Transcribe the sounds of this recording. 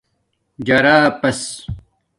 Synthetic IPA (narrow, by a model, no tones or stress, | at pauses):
d͡ʑɐɾaːpɐs